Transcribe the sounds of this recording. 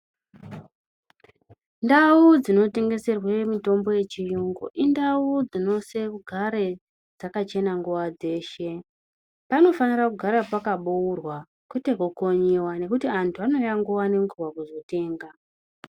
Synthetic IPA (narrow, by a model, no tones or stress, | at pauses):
ndaud͡zino̞te̞ŋɡe̞se̞rwe̞mito̞mbo̞je̞t͡ʃijuŋɡo̰ʔindaud͡zino̞se̞kuɡʱaɾe̞ | d͡zakat͡ʃe̞naŋɡuʋad͡ze̞ːʃe̞ | pano̞fanirakuɡʱaɾapakaɓuurwa | kute̞ko̞ko̞ɲewane̞kutiantʰuano̞jaŋɡuwane̞ŋɡuwakuzo̞te̞ːŋɡa